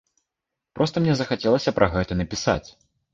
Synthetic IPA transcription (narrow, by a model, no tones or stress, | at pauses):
pɾʔɔst̪ɐmnʲɛzɐxat͡sʲɛlˠɐsʲɐpɾʔɐɣɛt̪ɐnɐpʲisa̰t͡sʲ